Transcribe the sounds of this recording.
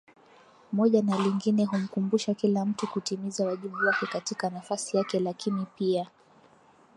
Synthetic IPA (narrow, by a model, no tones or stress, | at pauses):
mɔʄanaliŋɡinɛɦum̩kumbuʃakilam̩tukutimizawaʄiɓuwakɛkatikanafasijakɛlakinipia